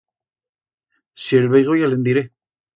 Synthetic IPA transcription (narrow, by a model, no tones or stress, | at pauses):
sielβejɣojalend̪iɾe